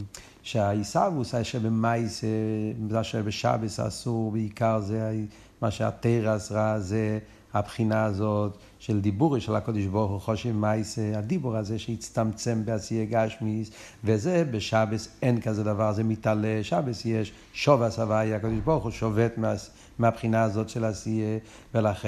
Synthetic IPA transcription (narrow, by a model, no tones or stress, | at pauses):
ʃaisavusaʃɛbəmaɪsezaʃɛbɪʃa̰bəsa̰suʁbɪikaɾzea | maʃea̰teɪʁasʁaze | apχinaːzɔt | ʃɛlˠdibuɾəʃɛlˠakɔdɪʃbɔɾχuχɔʃimaɪseadibuʁazeʃeit͡stamt͡sɛmbɪasiəɡaʃmis | vɛzebɪʃabəsɛnkazɛdavaʁzeɪmɪtalɛʃabəsjɛʃ | ʃɔvasavajəakɔdɪʃbɔɾχuʃɔvɛtmas | mɪapχinazɔtʃɪlasiə | vɛlaχ